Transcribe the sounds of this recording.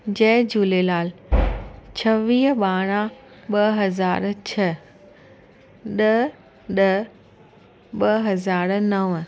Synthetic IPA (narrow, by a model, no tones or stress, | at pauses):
d͡ʑɐːd͡ʑuːlelaːl | t͡ɕʰɐʋiːɦɓaːɽ̃ãɓɐɦɐzaːɾt͡ɕʰɐ | ɗɐ | ɗɐ | ɓɐɦɐzaːɾnɐʋ